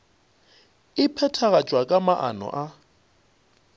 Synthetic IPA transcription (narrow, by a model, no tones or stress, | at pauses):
ɪpʰɛtʰaɣat͡ʃʼwakʼamaʔa̰nɔ̰ʔa